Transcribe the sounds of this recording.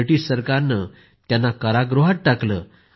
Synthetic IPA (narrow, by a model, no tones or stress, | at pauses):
ʈisəɾkaɾnə | t̪janːakəɾaɡɾoɦat̪̚ʈakləː